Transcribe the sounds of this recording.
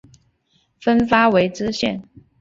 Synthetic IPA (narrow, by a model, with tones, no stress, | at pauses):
fə˥nfa˥we˧˥ɪʈ͡ʂɻ̩˥ɕjɛ˥˩n